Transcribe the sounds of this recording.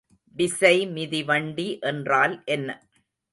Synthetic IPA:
bɪsɐɪmɪðiʋɐɳɖiʔɛndraːlʔɛnːɐ

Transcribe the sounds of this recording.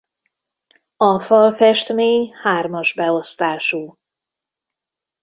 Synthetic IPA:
ɒfɒlfɛʃt̪meːɲhaːrmɒʒbɛo̞st̪aːʃuː

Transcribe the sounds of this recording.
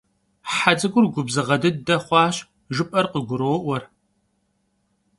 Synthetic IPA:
ħad͡zɨɡʷʊrɡʷʊbzɨʁɐdɨddɐχʷɑːɕ | ʒɨpʼɐrqəɡʷʊɾoːʔʷɔr

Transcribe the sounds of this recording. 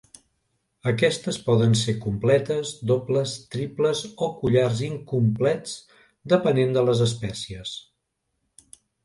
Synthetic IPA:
əkɛst̪əspɔðənsekumplɛt̪əzd̪opləst̪ɾipləzokuʎarziŋkumplɛt͡s | d̪əpənend̪ələzəs̬pɛsiəs

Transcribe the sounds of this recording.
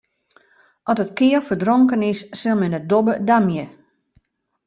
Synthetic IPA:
ʔɔtət̚kɪəlˠfərdroŋkənɪsːɪlˠmɛnədobədamjə

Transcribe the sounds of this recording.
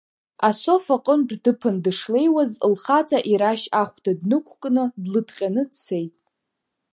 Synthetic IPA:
aso̞faqʼəndʷdɨpʰɨndɨʂle̞jwazɨlχat͡sʰʼaʔiɾaʃaχʷdadnɨkʷʰkʼnɨdlɨdʰqʲʼanɨdsʰejtʼ

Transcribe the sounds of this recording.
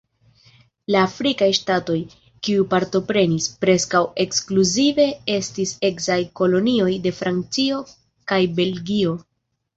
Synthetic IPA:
laːfɾikajʃtato̞j | kiupaɾto̞pɾe̞nispɾe̞skawe̞kskluzive̞e̞stise̞kzajko̞lo̞nio̞jde̞fɾant͡sio̞ | kajbe̞lɡio̞

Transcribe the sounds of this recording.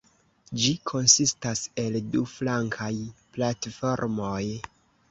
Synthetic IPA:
d͡ʒikʰo̞nsistase̞lduflaŋkʰajplatfo̞ɾmo̞j

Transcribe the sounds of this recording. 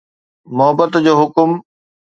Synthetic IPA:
mʊɦəbət̪d͡ʑoːɦʊkʊm

